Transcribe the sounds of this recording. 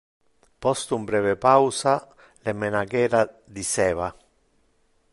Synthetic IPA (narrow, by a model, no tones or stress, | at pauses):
pɔst̪umbɾɛːvɪpawsa | lemːenaɡɛːɾa | d̪isɛːva